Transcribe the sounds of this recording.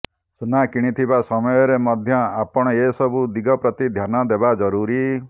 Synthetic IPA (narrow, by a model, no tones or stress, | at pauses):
sunakiɽ̃it̪ʰibasɔmɔjɔɾemɔd̪ʱjɔapɔɽ̃ɔesɔbud̪iɡɔpɾɔt̪id̪ʱjanɔd̪ebad͡ʒɔɾuɾi